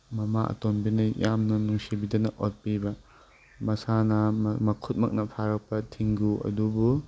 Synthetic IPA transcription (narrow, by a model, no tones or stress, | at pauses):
mɐmaʔɐ̰tonbinɐjjamnɐnuŋsibidɐnɐʔot̚pibɐ | mɐsanɐmmɐkʰut̚mɐ̰k̚nɐpʰaɾɐk̚pɐtʰiŋɡuʔɐ̰dubu